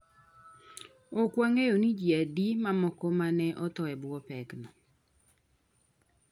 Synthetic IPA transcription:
okwaŋejonid͡ʒiadimamɔkɔmanɛʔɔt̪ɔɛbwɔpɛknɔ

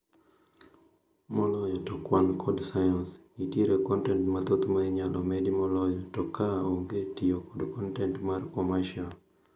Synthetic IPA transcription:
mɔlɔjɔtɔkwankɔdsajansɡitjeɾekɔntɛntmat̪ot̪maiɲalʔɔmedimɔlɔjɔtɔkaoŋɡetijokɔdkɔntɛntmarkɔmaʃiɔn

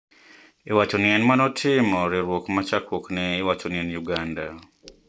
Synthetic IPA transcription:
iwat͡ʃɔniɛnmanɔtʰɪmɔɾɪɾwokmat͡ʃakwoknɛːwat͡ʃoniɛnjuɡanda

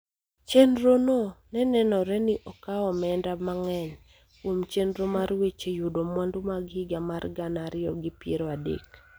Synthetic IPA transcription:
t͡ʃenɾononɛnɛnɔɾɛnɪʔɔkaɔmɛndamaŋɛɲ | kwomt͡ʃendɾomaɾwet͡ʃejudomwandumaɡɪɡamarɡanaɾɪɔɡɪpjeɾoadḛk

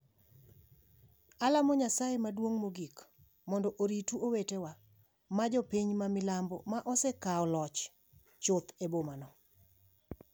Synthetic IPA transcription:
alamɔɲasajemadwoŋmoɡik | mɔndɔʔoɾituowetewa | mad͡ʒɔpiɲmamɪlambɔmaʔɔsekaɔlɔt͡ʃ | t͡ʃʊt̪ebomanɔ

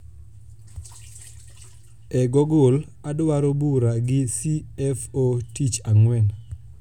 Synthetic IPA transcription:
ɛɡɔɡol | adwaɾobuɾaɡɪsiɛfotit͡ʃaŋwɛn

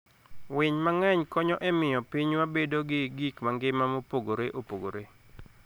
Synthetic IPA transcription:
wɪɲmaŋɛɲkɔɲɔʔɛmɪjɔpiɲwabedoɡɪɡikmaŋɡɪmamopoɡoɾeʔopoɡo̰ɾe

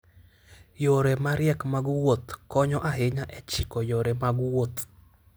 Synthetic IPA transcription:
joɾemaɾjɛkmaɡwot̪kɔɲɔʔaɦɪɲaʔɛt͡ʃɪkɔjoɾemaɡwot̪

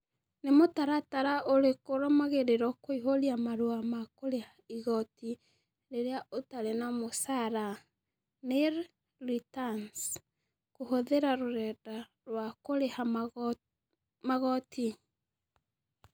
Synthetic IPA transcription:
nemotaɾataɾaʔoɾekoɾɔmaɣeɾeɾɔkoiɦoɾiamaɾuamakoɾehaiɣɔti | ɾeɾeaotaɾenamosaɾa | neɾ | litans | kohoðeɾaɾoɾɛda | ɾwakoɾeha | maɣɔti

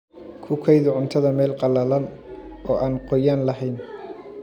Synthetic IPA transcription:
kʰʊkʰɛjðʊʕʊnt̪ʰɐðɐmɛːlqɑlɐlɐn | ɔːʔaːnqɔjaːnlɐɦɛjn

